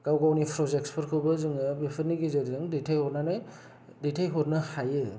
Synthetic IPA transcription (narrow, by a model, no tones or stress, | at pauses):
kawɡawnipʰɾɔzekspʰɯɾkʰɯwbɐzɯŋɯbepʰɯɾniɡizaɾizɯŋdetʰajhɔɾnanaj | detʰajɦɔɾnɯhajɯ